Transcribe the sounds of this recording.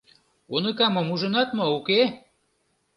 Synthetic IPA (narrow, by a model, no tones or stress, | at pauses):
onəkɑmɤ̆muʒə̆nɑt̪mouke